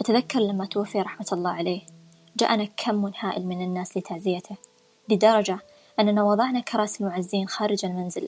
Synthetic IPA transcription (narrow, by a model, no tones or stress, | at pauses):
ʔat̪aðakːɑɾˤlamːat̪wafːiɾˤɑħmat̪ɑlˤːɑːʕaleː | d͡ʒa̰ːʔnakʰamːʊnħaːʔɪ̰lmɪnɪnːaːslɪt̪ʰaʕzɪjat̪ʰa | lɪd̪ɑɾˤɑd͡ʒa | ʔɪnːanawɑðˤɑʕnakʰɑɾˤɑːsɪlmʊʕazːiːnxaːɾɪd͡ʒalmanzɪ̰l